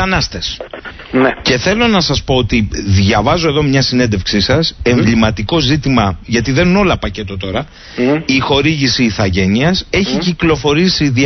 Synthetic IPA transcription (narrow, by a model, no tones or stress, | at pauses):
ɐnɐst̪es | nce̞θe̞lo̞nɐsɐspo̞ot̪iðʝɐvɐzoe̞ðo̞mɲɐsine̞nd̪e̞fksisɐse̞ɱvlimɐt̪iko̞zit̪imɐʝɐt̪iðenuno̞lɐpɐce̞t̪o̞t̪o̞ɾɐ | ixo̞ɾiʝisiːθɐʝe̞niɐse̞çiciklo̞fo̞ɾisiði